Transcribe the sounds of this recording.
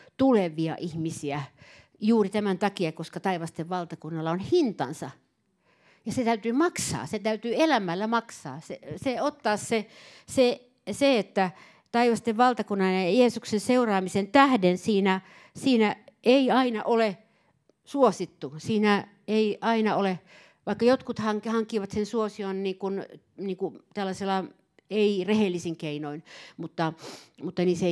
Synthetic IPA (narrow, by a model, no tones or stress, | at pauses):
t̪uleʋˑiɑ̰ʔihmisiæ | juːrit̪æmænt̪ɑkiɑkoskɑt̪ɑiʋɑst̪eʋʋɑlt̪ɑkunːɑlːɑonhint̪ɑ̰nsɑ | jɑset̪æyt̪yːmɑksɑ̰ːset̪æyt̪yːelæmːˑælːæmɑksɑ̰ːseseot̪ːɑːsse | se | seet̪ːæ | t̪ɑiʋɑst̪eʋʋɑlt̪ɑkunːɑnɑjɑjeːsuksenseurɑːmisent̪æhdensiːnæ | siːnæʔeiɑinɑʔole | suosit̪ːusiːnæ | eiʔɑinɑole | ʋɑikːɑjot̪kut̪hɑŋkhɑŋkːˑiʋɑt̪sensuosionniːŋkun | niːŋkut̪ælːæselːɑ | eirehelːisiŋkeinoinmut̪ːɑmut̪ːɑnise